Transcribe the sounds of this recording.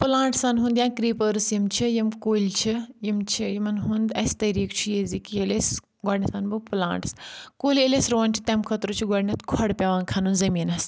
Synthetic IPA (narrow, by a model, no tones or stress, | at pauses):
pɨlãːɳʈsanɦũːnd̪jãːkɾiːpəɾɨsjimt͡ʃʰijimkoːlʲt͡ʃʰijimt͡ʃʰijimɐnɦund̪ɐst̪ɐɾiːkt͡ʃʰujezikieles | ɡaːɖnʲɐsanbuplã̰ːɳʈskoːlʲelesɾoːnʲt͡ʃʰi̥t̪ɐmkʰɐt̪ɾot͡ʃʰiɡaːɽnʲɐt̪ʰkʰɐɽpʲaʋaːnkʰanunzɐmiːnɐs